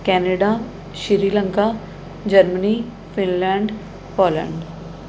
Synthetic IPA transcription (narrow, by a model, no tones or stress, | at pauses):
kɛːneɖa | ʃiɾiːlə̃ŋkaː | d͡ʒəɾməni | fɪnlɛ̃ːɳɖ | pɔːlɛ̰̃ɳɖ